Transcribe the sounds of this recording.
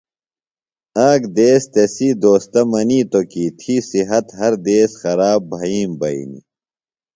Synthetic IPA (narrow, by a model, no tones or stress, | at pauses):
aːkd̪eːst̪esiːd̪oːst̪ɐmɐniːt̪okiːt̪ʰisiɦɐt̪ɦɐɾd̪eːsxɐɾaːbbʱɐiːmbɐḭnḭ